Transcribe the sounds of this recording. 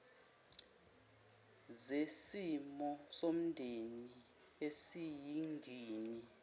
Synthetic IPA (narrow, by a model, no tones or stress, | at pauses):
zesimɔsom̩ndʱeni | esijiŋɡʱiːni